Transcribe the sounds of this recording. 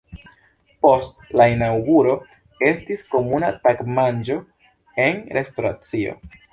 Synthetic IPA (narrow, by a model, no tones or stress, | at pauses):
po̞stlainawɡuɾo̞ | e̞stisko̞munatakmand͡ʒo̞ | e̞nɾe̞sto̞ɾa̰t͡sio̞̰